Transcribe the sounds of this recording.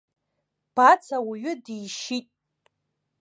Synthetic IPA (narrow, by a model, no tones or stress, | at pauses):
b̥at͡sʰawiɥɪdijʃitʼ